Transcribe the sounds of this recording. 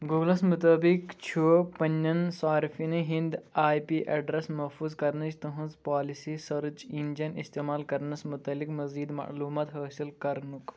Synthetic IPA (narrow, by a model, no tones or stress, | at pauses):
ɡuːɡlɐsmut̪ɐbikt͡ʃʰoːpɐnʲːɐnsaːɾfinɨɦĩnd̪aːjpiːʔɐɖɾɐsmɐfuːzkɐɾnɐt͡ʃt̪ɐɦũnzpaːlisisɐɾt͡ʃind͡ʒɐnist̪eːmaːlkɐɾnɐsmut̪ɐlːikmɐziːd̪mɐ̰ʔluːmaːt̪ɦɐːsilkɐɾnuk